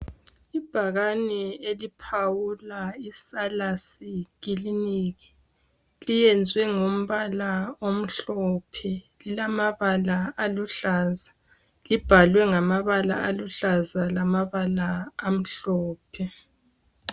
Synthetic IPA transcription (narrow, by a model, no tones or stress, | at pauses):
ib̥ʱaɣanɛelipʰawulaisalasikiliniɣi̥ | lijɛnd͡zʱwɛŋom̩βalaom̩ɬɔpʰɛ | lilamaβalaʔaluɬaːza | lib̥ʱalwɛŋamaβala̰ʔaluɬazalamaβalaːm̩ɬɔːpʰɛ